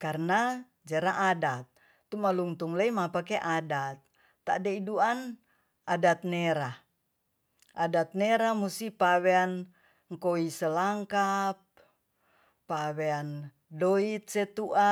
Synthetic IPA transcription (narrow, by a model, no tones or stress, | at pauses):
karna | d͡ʒaɾaʔadat̪̚ː | umaluŋt̪uŋləimapakɛʔadat̪̚ː | a̰dɛiduan | adat̪̚nɛɾa | ʔadat̪̚nɛɾamusipawɛan | ŋkoisəlaŋkap̚ | awɛan | doit̪̚sɛt̪uʔa